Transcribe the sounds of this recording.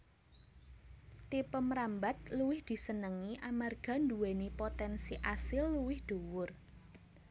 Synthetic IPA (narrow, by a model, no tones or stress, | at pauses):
t̪ipəmɾambat̪̚luwɪhd̪̥i̤sənəŋiʔamarɡ̥a̤nd̪uwenipot̪ɛnsiʔasɪlːuwɪhd̪̥owʊr